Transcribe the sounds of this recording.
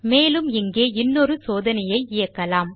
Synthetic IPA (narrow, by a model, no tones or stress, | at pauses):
meːlɯmɪŋɡeːɪnːɔɾɯsoːðɐnɐjɐɪɪjɐkːɐlaːm